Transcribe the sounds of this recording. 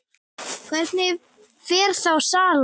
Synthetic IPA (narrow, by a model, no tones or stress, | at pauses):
kʰvɛɾt̪nɪ | fɛːɾ̥θawsaːl